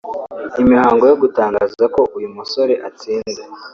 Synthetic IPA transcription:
imihaːŋɡo̞joɡutaːŋɡaːzzako̞ʔujumuso̞ɾe̞ʔat͡siːnde

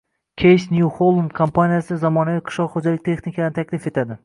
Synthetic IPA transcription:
kʲʰejsnjuholˠumkʰompʰanijasɪzamɒnaviqʰɨ̥ʃlɒqχod͡ʒalɪk̚ʲt̪ʰe̞χnikʰʲanɪt̪ʰakʲlɪfe̞t̪ʰad̪ɪ

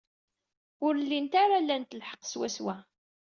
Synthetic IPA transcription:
ʊɾlːint̪aɾalːænt̪lħə̥qːswæswæ

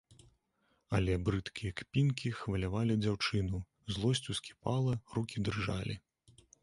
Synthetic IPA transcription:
ɐlʲɛbɾɨt̪kʲijɐkpʲinkʲixvɐlʲavalʲid͡zʲawt͡ʂɨnu | zlˠɔsʲt͡sʲuskʲi̥palˠɐrukʲid̪rɨʐalʲḭ

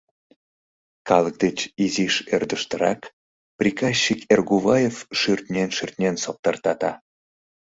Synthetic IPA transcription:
kɑlək̚d̪et͡ɕiziʃørd̪əʃt̪əɾɑk | prʲikɑsːikerɣuβɑjefʃyrt̪nʲenʃyrt̪nʲensop̚t̪ɑrt̪ɑt̪ɑ

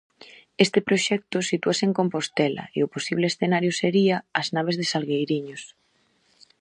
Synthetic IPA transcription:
est̪epɾoʃɛk̚t̪ʊsit̪uaseŋkompost̪ɛla̰eʊposiβleːsθenaɾjʊseɾiaːznaβ̞ezðesalɣejɾiɲos

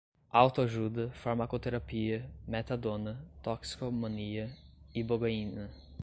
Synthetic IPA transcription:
awt̪oaʒud̪ɐfaɾmakot̪eɾapiɐmet̪ad̪õnɐt̪ɔksi̥komõniɐiboɡoĩnɐ

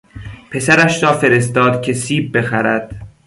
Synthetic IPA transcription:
pʰe̞sæɾæʃɾɒːfe̞ɾe̞st̪ɒːd̪cʰe̞siːbːe̞xæɾæd̪̥

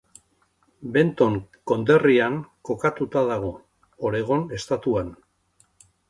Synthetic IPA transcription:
be̞nt̪o̞ŋko̞nd̪e̞riaŋko̞kat̪ut̪aðaɣ̞o̞ | oɾe̞ɣ̞o̞ne̞st̪at̪uan

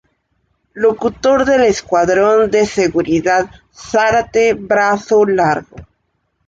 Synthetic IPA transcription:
lo̞kut̪o̞ɾðeleskwaðɾo̞nd̪e̞seɣuɾiðað | saɾat̪eβɾasolaɾɣo̰

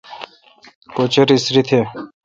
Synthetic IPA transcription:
kot͡ɕeɾisɾit̪ʰe

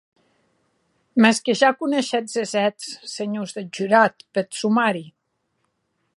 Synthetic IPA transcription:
mɛskeʒakuneʃɛt̪zezɛt̪sseɲuzðed͡ʒyɾat̪pet̪sumaɾi

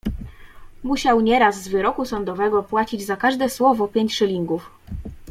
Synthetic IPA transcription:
muɕawɲɛɾazːvɘɾɔkusɔnd̪ɔvɛɡɔpwat͡ɕid͡ʑzakaʐd̪ɛswɔvɔpʲjeɲt͡ɕʂɘlʲiŋɡuf

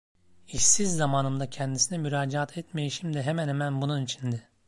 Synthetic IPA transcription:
issizːamaːnɯmd̪acʰɛnd̪isinɛmyɾaːd͡ʒaat̪ʰɛt̪me̞jiʃimd̪ɛɦemænhemænbununit͡ʃʰind̪ɪ

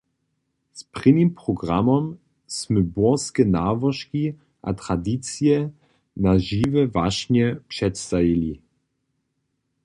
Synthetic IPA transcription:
spʁ̥ɪnimpʁɔɡʁamɔm | sməbɔskɛnavɔʃki | ʔa̰tʁ̥ad̪it͡sjɛ | naʒivɛvaʃɲɛpʂɛtst̪avili

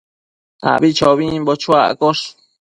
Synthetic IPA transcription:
a̰βit͡ʃoβĩmbot͡ʃuaʔkoʂ

